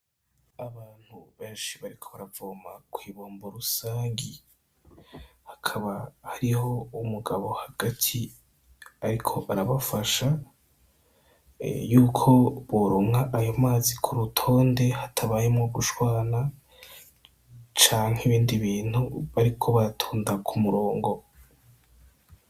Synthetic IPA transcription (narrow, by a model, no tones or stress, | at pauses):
aβaːn̥huβe̞ːnʃiβaɾikʰo̞βaɾavoːmakʰwiːβo̞ːmboɾusaːŋɡi | hḁkʰaβahaɾiho̞umuɡaβo̞haɡ̥atʰi | aɾikʰo̞ʔaɾaβafaʃa | juːkʰo̞βoɾoŋaʔajomaːzikʰuɾutʰo̞ːnde̞hatʰaβaːjimŋoɡuʃwaːna | t͡ʃaːŋ̥heiβiːndiβiːn̥huβaɾikʰo̞βaɾatʰuːndakʰumuɾo̞ːŋɡo̞